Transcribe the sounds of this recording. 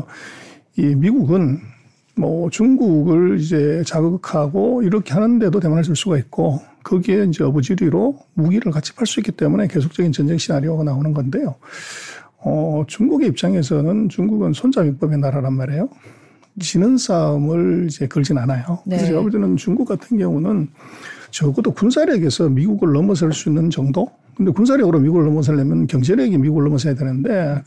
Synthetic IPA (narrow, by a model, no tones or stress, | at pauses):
imiɡuɡɯn | mʌt͡ɕuŋɡuɡɯɭid͡ʑe̞t͡ɕaɡɯɡɯkʰaɡoiɾʌkʰe̞ɦanɯnde̞dote̞manɦaɭsuɭs͈uɡait̚k͈o | kɯɡieind͡ʑe̞ʌbud͡ʑiɾiɾomuɡiɾɯɭkat͡ɕʰi̥pʰaɭs͈uik͈ːit͈e̞mune̞ke̞sʰok̚t͡ɕ͈ʌɡint͡ɕʌnd͡ʑe̞ŋɕʰinaɾioɡanaonɯnɡʌnde̞jo | ʌt͡ɕuŋɡuɡe̞ip̚t͡ɕ͈aŋe̞s̬ʰʌnɯnt͡ɕuŋɡuɡɯnsʰond͡ʑamjik̚p͈ʌbenaɾaɾanmaɾejo | t͡ɕinɯnsʰamɯɭid͡ʑe̞kɯɭd͡ʑinanajokɯɾsʰjʌbɯɭt͈enɯnt͡ɕuŋɡuk͈atʰɯnɡjʌŋunɯn | t͡ɕʌɡɯdokuns̬ʰaɾjʌɡe̞sʰʌmiɡuɡɯɭːʌmʌs̬ʰɯɭs͈uinːɯnt͡ɕʌŋdo | kɯnde̞kuns̬ʰaɾjʌɡɯɾomiɡuɡɯɭːʌmʌs̬ʰɯɭːemjʌnnkjʌŋd͡ʑe̞ɾeɡimiɡuɡɯɭːʌmʌs̬ʰejadwenɯnde̞